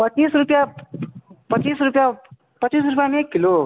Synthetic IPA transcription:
pət͡ʃiːsɾupja | pət͡ʃisɾupja | pət͡ʃis̬ɾupjamekːilo

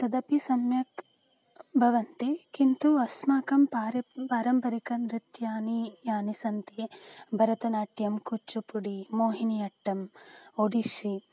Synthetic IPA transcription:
t̪ɐd̪ɐpisɐmjɐk | bʱɐʋɐnt̪ekint̪uɐsmaːkɐmpaːɾɐpaːɾɐmpɐɾikɐnɾit̪jaːnijaːnisɐnt̪eːbʱɐɾɐt̪ɐnaːʈjɐmkut͡ʃːupuɽimoːɦiniɐʈːɐmoɽiʃi

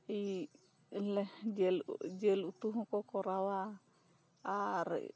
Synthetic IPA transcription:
i | lɛd͡ʒɛld͡ʒeluut̪uɦũkɔkɔɾawaː | ɾɛ̰

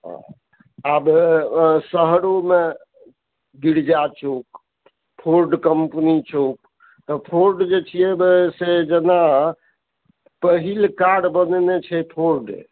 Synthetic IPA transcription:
ɦ | ab | səɦɾome | ɡiɽd͡ʒat͡ʃok | pʰoɾɖkəmpnit͡ʃok̚ | t̪ɔpʰoɾɖd͡ʒet͡ʃʰijebsed͡ʒena | pəɦilkaɖbənnet͡ʃʰɛpʰoɾɖ

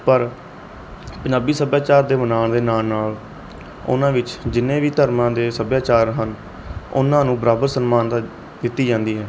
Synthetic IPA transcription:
pəɾ | pəɲd͡ʒaːbiːsəbjaːt͡ʃaːɾd̪eːmənaːɳd̪eːnaːnaːl | ʊ̰nãːʋɪt͡ʃd͡ʒɪnːẽːʋiːt̪əɾmãːd̪eːsəbjaːt͡ʃaːɾɦən | ʊ̰nãːnũːbəɾaːbəɾsənmaːnd̪a | d̪ɪt̪ːiːd͡ʒãːnd̪iːɦɛː

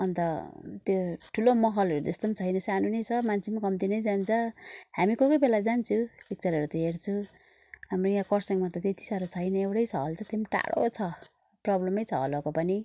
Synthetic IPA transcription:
ʌnt̪ʌt̪joʈʰulomʌɦʌlʌɾud͡zʌst̪omt͡sʰʌjnʌsanunʌjt͡sʰʌmant͡sʰemakʌmt̪inʌjd͡zant͡sʰʌhamikʌkʌjbelad͡zant͡sʰupik̚t͡sʌɾɦʌɾut̪ʌɦeɾt͡sʰu | ɦamrojãkʌrsʌŋmat̪ʌt̪et̪ʰi̥saɾot͡sʰʌjnʌewʈʌjt͡sʰʌɦʌlt͡sʰʌt̪emʈa̰ɽo̰t͡sʰʌ | prʌblʌmʌjt͡sʰʌɦʌ̰lokopʌni

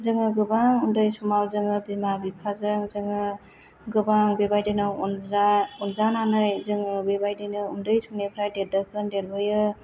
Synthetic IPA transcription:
zɯŋɯɡɯbaŋundɯjsumawzɯŋɯbimabipʰazɯŋzɯŋɯ | ɡɯbaŋbebajdɯnɯnaunzananɯjzɯŋɯbebajdɯjnɯundɯjsunepʰɾajdedɯkʰɯndeɾbɯjɯ

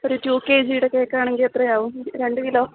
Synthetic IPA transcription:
oɾutjuːkːe̞ːd͡ʑijiɽokːe̞ːkːaːɳeŋɡilet̪rɐjaːʋumɾe̞ɳɖɨkiloː

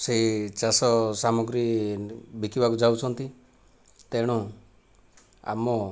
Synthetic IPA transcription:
set͡ʃasɔsamɔɡɾi | bʱikibakud͡ʒawt͡ʃʰɔnt̪i | t̪eɽ̃ũ | a̰mɔ

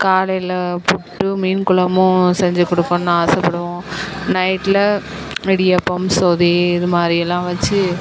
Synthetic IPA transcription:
kaːlɐjlɐpʊʈːɯmiːnkʊɭɐmʊ̃sɛɲd͡ʒɯkɔɽɯkːõnaaːsɐpːɐɽɯõnɐɪʈːlɐ | ɪɽɪjɐpːɐmsoːðiɪðɯmaːd̪ɾiɛlːãːʋɐt͡ʃːɯ

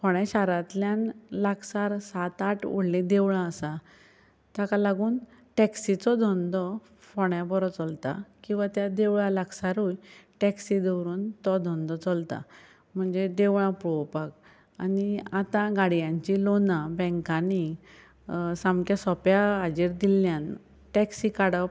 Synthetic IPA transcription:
fɔɽjaɕaɾat̪ljãnlaksaɾsat̪aʈṵɽlẽd̪eʋɭãəsa | t̪jakalaɡuːnʈɛksit͡sɔd̪ʱɔnd̪ɔ | fɔɳjabɔɾɔt͡sɔlt̪a̰kĩw̃ʋat̪jad̪eʋɭãlaksaɾɦujʈɛksid̪ewɾuːnt̪ɔd̪ʱɔnd̪ɔt͡sɔlt̪a̰ | m̤əɳd͡zed̪eʋɭãpɾpak | aniat̪ãɡaɽjãɲt͡ɕilonãbɛ̃ŋkani | sãmkjasɔpjaad͡ʑiɾd̪ilːjãn | ʈɛksikaɽəp

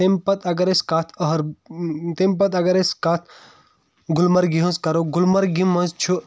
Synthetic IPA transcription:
t̪empɐt̪ɐɡɐɾeskaːt̪ʰɐɦɐɾt̪emp̬ɐt̪ɐɡɐɾeskaːt̪ʰ | ɡulmɐɾɡiɦə̃nzkɐɾoɡulmɐɾɡimːɐnzt͡ʃʰu

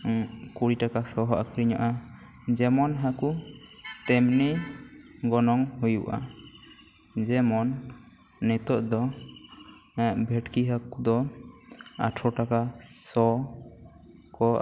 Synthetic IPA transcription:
kuɽiʈakasɔɦɔʔakʰɾiɲaʔa | d͡ʒɛmɔnɦakut̪ɛmni | ɡɔnɔŋɦujuʔa̰ | d͡ʒɛmɔnː | ɛt̪ɔʔd̪ɔ | ɛʔbʱɛʈkiɦakud̪ɔ | a̰ʈʰɔʈakasɔ | kɔ

